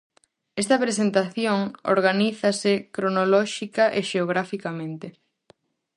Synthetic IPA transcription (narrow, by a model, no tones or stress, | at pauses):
est̪ɐpɾesent̪aθjoŋo̰ɾɣaniθɐsekɾonolɔʃikɐʔeʃeoɣ̞ɾafikamẽnt̪ɪ